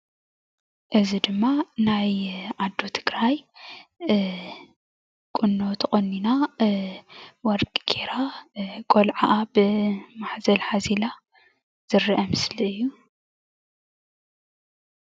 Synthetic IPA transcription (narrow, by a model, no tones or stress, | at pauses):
ʔɨzid̪ɨmːanajʕad̪ːot̪ʰɨɡɾaj | kʼʊnːot̪ʰχʼonːina | wɔɾkʼɡʰeɾakʼolʕaʔabɨmaħzɐlħazila | z̥ɨrːiʔɐmɨsliɨjːu